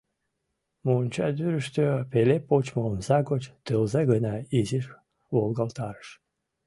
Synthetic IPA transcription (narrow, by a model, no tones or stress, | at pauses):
munʲt͡ɕɑd̪yɾəʃt̪øpelepot͡ɕmomzɑɡot͡ɕt̪ɨlzaɡənɑiziʃ | volɡɑlt̪ɑɾə̥ʃ